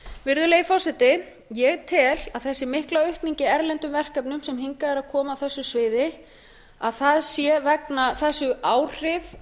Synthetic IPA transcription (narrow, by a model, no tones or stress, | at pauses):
vɪɾðʏleːjfɔsɛt̪ɪ | jɛɣt̪ʰɪlaðθɛsːɪmɪhklaœɥhpniɲcɪɛɾlɛnt̪ʏmvɛr̥kœpnʏmsɛmɦiŋkaðɛɾaðkʰɔːmaːwθɛsːʏsvɪːðɪ | aðθaðsjɛvɛknaθɛsːʏaːwr̥ɪv